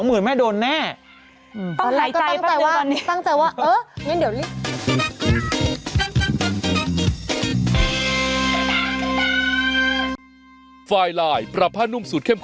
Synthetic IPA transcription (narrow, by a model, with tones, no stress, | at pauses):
wmɯ˩˦nma˥˩jdoː˧nːɛː˥˩ | ʔɯː˧˩˥la˧˩kɔː˥a˧a˩ŋt͡ɕa˧jwaː˥˧nt̪a˥˩ŋt͡ɕa˧jwaː˥˩ʔɤː˧˥ŋa˧˦˥ndi˩˦wli˦˥˩ | faː˧jlaː˧˩jpɾa˨˩pʰːaː˥˩nu˥˩˨msu˨˩t̚kʰe˥˩mkʰ